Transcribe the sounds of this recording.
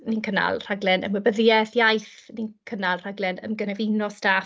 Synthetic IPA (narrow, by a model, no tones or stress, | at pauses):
ninkʰəna̰lˠr̥aɡlɛnə̰mwɛbəðjɛθjajθninkʰənalˠr̥aɡlɛnə̰mɡənɛvinɔsta